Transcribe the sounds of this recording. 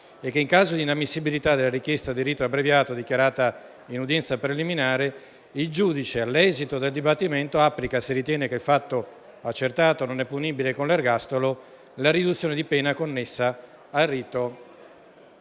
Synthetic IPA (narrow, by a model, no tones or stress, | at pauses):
ekːeiŋkaːzod̪inamːisːibilit̪ad̪elaɾikjɛst̪ad̪iriːt̪oabɾevjaːt̪od̪ikjaɾaːt̪a | inud̪jɛnt̪sapɾeliminaːɾe | ild͡ʒuːd̪it͡ʃealːɛːzit̪od̪eld̪ibat̪ːiment̪oapːlikasirit̪jɛːnekeilfat̪ːo | at͡ʃːert̪aːt̪ononɛpːuniːbilekonlarɡast̪olo | laɾid̪ut̪sːjoːned̪ipɛːnakonːesːaː | lriːt̪o